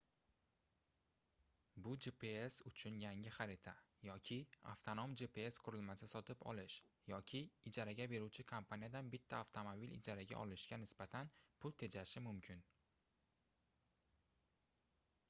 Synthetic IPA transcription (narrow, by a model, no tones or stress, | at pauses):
bʊd͡ʒepʰeesʊt͡ʃʰʊnjaŋɪχaɾɪt̪ʰa | jɒkʲʰɪa̰ft̪ʰono̞md͡ʒepeesqʰʊɾɪlmasɪsɒt̪ʰɪpɒ̰lɪʃjɒkʲʰɪːd͡ʒaɾaɡʲabe̞ɾuwt͡ʃʰɪkʰompʰanijad̪anbɪt̪ʰːaːft̪ʰomobilɪ̰d͡ʒaɾaɡʲa̰ʔɒlɪʃɡʲanɪsbat̪ʰanpʰʊlˠt̪ʰe̞d͡ʒaʃɪmʊmkʲʰɪn